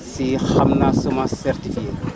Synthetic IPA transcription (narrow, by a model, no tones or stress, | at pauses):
sihamnasomasɛɾt̪ifie